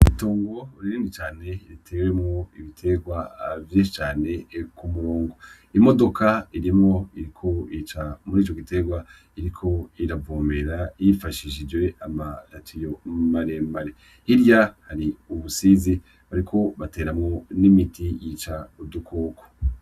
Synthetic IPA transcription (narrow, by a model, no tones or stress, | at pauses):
itoːŋɡouɾiɾiːndit͡ʃaːne̞ɾitʰewe̞mŋo̞iβitʰe̞ɡwavjet͡ʃaːne̞kumuɾoːŋɡo | imo̞do̞kaiɾimŋo̞iɾikʰo̞it͡ʃamuɾiːt͡ʃo̞ɡite̞ɡwa | iɾikʰo̞iɾavoːmbeɾaijifaʃiʃid͡ʒɡwe̞amaɾatʰijomaɾemaɾe | hiɾjahaɾiuβusiːzi | βaɾikʰo̞βate̞ːɾamŋo̞nimitijit͡ʃaudukʰoːko̥